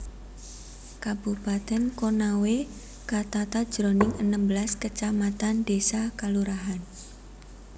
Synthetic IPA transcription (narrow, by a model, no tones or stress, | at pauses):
kab̥upat̪ɛnkonawe | kat̪at̪ad̥ʒ̥ɾonɪŋənəmbəlaskət͡ʃamat̪andesakaluɾaɦan